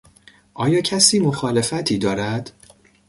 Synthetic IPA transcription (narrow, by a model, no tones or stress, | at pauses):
ʔɒːjɒːcʰæsiːmo̞xɒːle̞fæt̪ʰiːd̪ɒːɾæd̪̥